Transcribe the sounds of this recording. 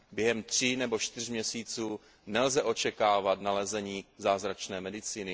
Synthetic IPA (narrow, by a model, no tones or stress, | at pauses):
bjɛɦɛmt̪r̝̥inɛbo̞ʃt̪ɪrmɲɛsiːt͡suː | nɛlzɛʔo̞t͡ʃɛkaːvat̪nalɛzɛɲiːzaːzɾat͡ʃnɛːmɛdɪt͡siːnɪ